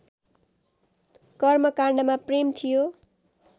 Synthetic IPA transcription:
kʌrmʌkarɳɖʌmapremt̪ʰijo

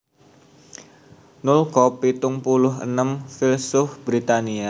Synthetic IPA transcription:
nʊlkɔpit̪ʊŋpulʊɦə̰nəmfilsʊfb̥ɾit̪ania

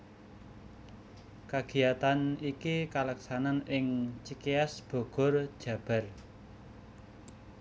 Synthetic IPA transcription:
kaɡ̥i̤at̪anikikalaksananɪŋt͡ʃikeasb̥o̤ɡ̥ɔ̤rd̥ʒ̥ä̤b̥a̤r

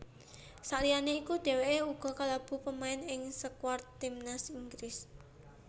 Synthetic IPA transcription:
saʔlijaneikud̪̥e̤weʔeuɡ̥ɔ̤kalab̥ṳpəmaɪnɪŋsəkwart̪imnasiŋɡɾɪs

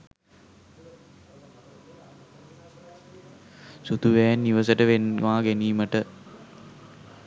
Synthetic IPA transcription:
sut̪uʋæːnːiʋəsəʈəʋenʋaːɡeniːməʈə

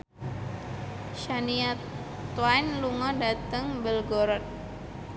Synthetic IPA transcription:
ʃania | t̪wajnluŋɔdat̪əŋbəlɡɔɾɔt̪̚

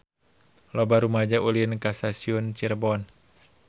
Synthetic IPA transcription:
lɔbaɾumad͡ʒaulinkasasiunt͡ʃirbɔn

